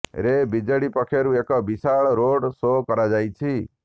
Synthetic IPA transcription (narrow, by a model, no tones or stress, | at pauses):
ɾebid͡ʒəɽipɔkʰeɾuekɔbisaɭɾoɖsokɔɾad͡ʒajt͡ʃʰi